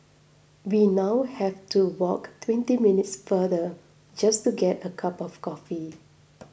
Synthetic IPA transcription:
winawhɛftuwɔktʰwɛ̃ntiminɪtsfədə | d͡ʒastuɡɛtəkʰapɔfkɔfi

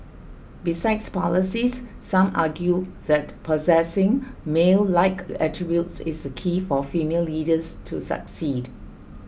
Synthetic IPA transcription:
bisaɪdspɔ̰ləsisː | ãmʔa̰ɡjuðɛtpʰɔzɛsɪ̃ŋmelːaɪkʰɛ̰tɹibjutsɪ̰sdəkʰifɔfimelːidəstʰṵsə̰ksid

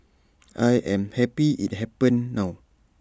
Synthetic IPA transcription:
ʔajʔɛmhɛpiʔit̪̚hɛpənːaw

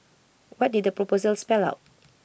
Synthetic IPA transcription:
wɔt̚did̚dəpɹɔpozəlspɛla̰wt̚

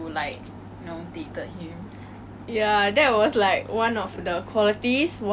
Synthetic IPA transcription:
ulaɪk̚ | nõt̪it̪əhĩm | jadɛt̚wɔslaɪkwãnɔfdəkʰwɔlitisw

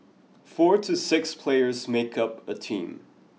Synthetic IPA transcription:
fɔɹɾʰɨsɪkspʰl̥eɪə˞zmeɪkʌpətʰḭ̃m

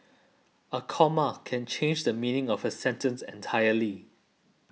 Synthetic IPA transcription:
əkʰɔmakʰɛ̃nt͡ʃʰẽnd͡ʒdəmĩnɪ̃ŋɔvəsɛ̃ntə̃nsɛ̰̃ntʰajəli

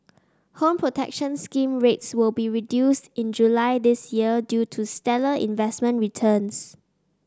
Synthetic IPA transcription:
hõmpʰɹotʰɛ̰k̚ʃə̃nskĩmɹetswɪlbiɹidjustɪ̃nd͡ʒulaɪdɪsjiədjutʰustɛləʔḭ̃nvɛsmə̃nɹitʰəns

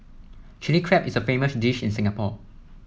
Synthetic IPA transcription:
t͡ʃilikʰɹɛpɪsəfeməsdiʃɪ̃nsɪ̃ŋapɔ

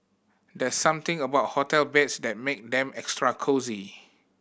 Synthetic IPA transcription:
dɛsːãmt̪ɪ̃ŋəbaʊt̚hɔtɛlbɛtsdɛt̚mek̚dɛ̃mɛkstɹakʰozi

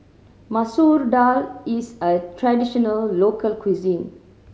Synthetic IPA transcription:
masuɾɖalisətɾadiʃɔnəlːoːkəlkʰwizĩn

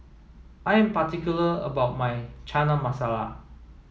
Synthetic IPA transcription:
ʔaɪɛ̃mpatikjuləə̰baʊt̚majt͡ʃʰanəmasala̰

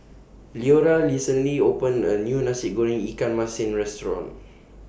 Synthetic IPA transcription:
lioɾalisə̃nliopə̃nənjunasip̚ɡɔɹĩŋikãnmasɪ̃nɹɛstɹɔ̰̃n

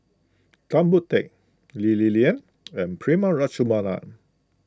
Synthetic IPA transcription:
tãmbut̪ɛk̚ | lililiə̃n | ɛ̃npʰɹimaɹat͡ʃumanã̰n

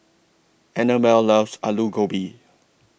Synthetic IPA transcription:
ɛnəmɛllavsaluɡobi

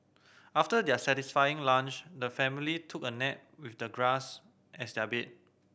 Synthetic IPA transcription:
aftədɛəsɛtisfajĩŋlãnt͡ʃdəfɛ̃militʰukənɛt̚wifdəɡɹas | ʔɛsdɛabet̚

